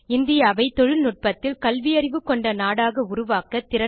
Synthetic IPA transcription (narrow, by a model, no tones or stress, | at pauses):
ɪnd̪ɪjaːʋɐɪt̪ɔɻɯlnʊʈ̚pɐt̪ːɪlkɐlʋɪjɐɾɪʋɯkːɔɳɖɐnaːɽaːɣɐʊɾʊʋaːkɐt̪ɪɾɐ